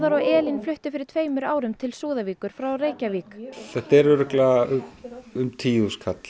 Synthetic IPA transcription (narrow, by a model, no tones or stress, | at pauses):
ðaɾɔɣɛːlinflʏht̪ʏfɪɾɪɾ̥t̪ʰveːjmʏɾa̰ːwɾʏmt̪ʰɪlsuːðaviːkʏɾ̥fɾawreːjcaviːkɛt̪ɛɾʏɾʏkla | ʏmt̪ʰiːuskʰat̪l̥